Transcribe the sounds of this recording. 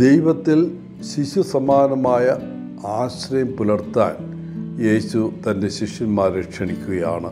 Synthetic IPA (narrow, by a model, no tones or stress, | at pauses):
d̪ejʋɐt̪ːil | ɕiɕusɐmaːnɐmaːjɐ | aːɕrɐjɐmpulɐrt̪ːa̰ːn | je̞ːɕut̪ɐnde̞ɕiʂjɐnmaːɾɾekʂɐɳikʲːuɣɐja̰ːɳɨ